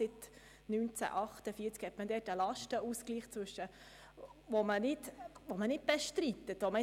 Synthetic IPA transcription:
sɪt̪ | nyːnt͡sæ̰ʔɑχt̪əfiːɾt͡skhɛtməd̪ɛːtəlɑʃtəuskliːχt͡sʋɵʃə | ʋomənɪt̪ʋomənɪt̚b̥ɛʃtɾit̪ːətʋomə

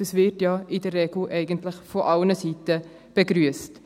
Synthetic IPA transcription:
əsvɪɾtjɑːʔɪdərːɛɡl̩ʔɛɪɡəntlɪχfoʔɑlnəsiːtə | b̥əɡɾyəst

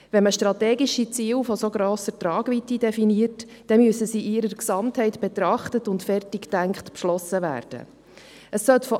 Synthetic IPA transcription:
ʋɛnməʃtrɑtɛːɡiʃit͡siːlfɔsoɡɾoːsətrɑːɡʋitidɛfiniərt | d̥ɛmyəsəsiʔiɾəɾksɑmthɛɪtbɛt̪ɾɑχtətʊntfɛrtiktæŋkχtpʃlɔsəvæ̰ːɾd̥ə̰ | əsːœtfɔ

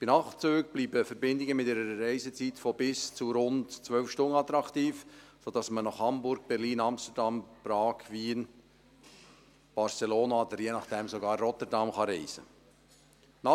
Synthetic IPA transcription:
b̥inɑχt͡søːɡb̥liːbəfəɾbɪnd̪ɪɡəmɪtɪɾəɾəɾɛɪzət͡sitfɔbɪst͡suɾʊntt͡sʋœlfʃtʊnəɑt̪ɾɑkt̪iːfsod̥ɑsmənɑχhɑmbʊɾɡ̥̚b̥ɛɾliːnɑmst̪ədɑmpɾɑːɡ̥ʋiːn | b̥ɑɾseloːnɑod̪əɾjenɑχd̥ɛmsoɡɑːrːɔt̪əɾdɑmχɑɾɛɪz̥ə | nɑ

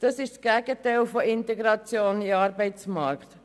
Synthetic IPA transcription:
d̥ɑsɪʃsɡ̥æɡət̪ɛɪlfɔʔɪnt̪ɛɡɾɑt͡sjoːniɑːɾbɛɪt͡smɑɾkχt̪

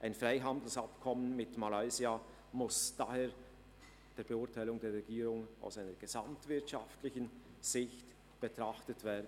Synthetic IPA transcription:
ʔaɪnfʁaɪɦɑndl̩sɑpkʰɔmənmɪtmalaɪzia | mʊsd̥aheːɐ | d̥eːɐb̥eʊɐtʰaɪlʊŋdeːɾʁɛɡiːɾʊŋa̰ʊsaɪnəɾɡ̥ez̥ɑmtv̥ɪɐtʃɑftlɪçən | z̥ɪçt | b̥ɛtʁɑχtətv̥ɛːɐd

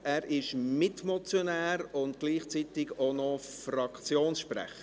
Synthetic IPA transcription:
æːɾɪʃmɪtmɔt͡sjonæːɾʊntɡ̥liːχt͡sitɪɡonɔfrɑkt͡sjoːnsʃprɛ̰χə

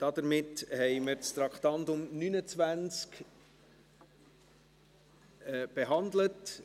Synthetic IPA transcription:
d̥ɑd̪əɾmɪthɛɪməɾt͡st̪ɾɑkχt̪ɑnt̪ʊmnynət͡svænt͡sk | b̥eɦɑndlət

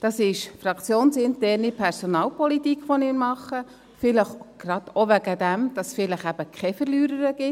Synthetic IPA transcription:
d̥ɑsɪʃfɾɑkt͡sjoːnsɪntɛːɾnipʰɛɾsɔnɑːlpɔlitikχʋɔnɪnmɑχːə | fɪləχɡ̥ɾɑd̥oʋæɡəd̪æmd̥ɑsfɪləχæb̥əkχɛfəɾlyːɾəɾəɡ̥ɪ

